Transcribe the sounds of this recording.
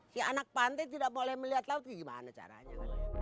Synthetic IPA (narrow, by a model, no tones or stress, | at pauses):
sia̰nak̚pant̪ajt̪idaʔmolɛhməliɦat̪laʊt̪̚ɡiɡima̰nat͡ʃa̰ɾa̰ɲakal